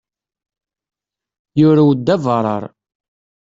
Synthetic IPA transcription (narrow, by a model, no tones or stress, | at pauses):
jʊɾæwd̪ːævəɾˤɑ̰ɾˤ